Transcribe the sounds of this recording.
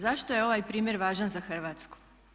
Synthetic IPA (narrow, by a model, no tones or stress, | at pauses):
zaʃt̪ojeo̞ʋajpɾiːmjeɾʋaːʒanzaxr̩ʋaːt̪sku̥